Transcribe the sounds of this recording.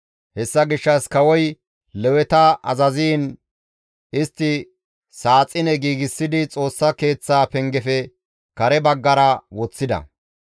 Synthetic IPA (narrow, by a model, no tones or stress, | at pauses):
hɛsːɐɡɪʃːɐskɐwɔj | lɛwɛt̪ɐʔɐzɐziːn | ɪst̪ːɪ | saːt͡sʼːɪnɛɡiːɡɪsːɪd̪ɪt͡sʼo̞ːsːɐke̞ːt͡sːaːpɛŋɡɛfɛ | kɐɾɛbɐɡːɐɾɐwɔt͡sːɪd̪ɐ̰